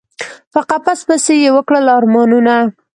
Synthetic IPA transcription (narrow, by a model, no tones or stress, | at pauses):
paqapaspəsejewəkɽəlɑɾmɑnuna